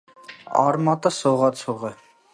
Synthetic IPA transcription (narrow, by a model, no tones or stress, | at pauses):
ɑ̰ɾmɑt̪ʼəsɔʁɑt͡sʰɔʁɛ